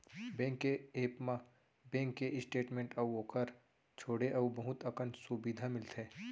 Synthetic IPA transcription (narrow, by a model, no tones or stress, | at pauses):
bẽːŋkːeeːpmã | bẽːŋkːeɪsʈeːʈmẽːɳʈɐwoːkəɾ | t͡ʃʰoːɽeʔɐwbɐɦʊt̪əkənsubid̪ʱamɪlt̪ʰẽː